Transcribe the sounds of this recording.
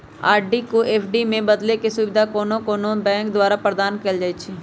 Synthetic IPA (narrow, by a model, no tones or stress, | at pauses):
a̰ːɾɖikoʔeːpʰɖimẽbəd̪lekesʊbɪd̪ʱakoːnokoːnobɛ̃ːŋkd̪ʊwaːɾapɾəd̪aːnkəld͡ʒaːet͡ʃʰi